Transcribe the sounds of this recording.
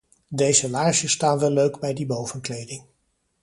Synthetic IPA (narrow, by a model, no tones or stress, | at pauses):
dejzəlaːʒəstaːnʋɛlːøɥɡbɛjdibowvənklejdɪŋ